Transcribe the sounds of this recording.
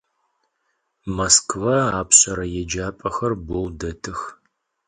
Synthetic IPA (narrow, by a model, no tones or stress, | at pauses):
mɐskʰvɐaːpɕʼɐɾɐjɛd͡ʒaːpʼɐxɐrbowdɐtʰɨx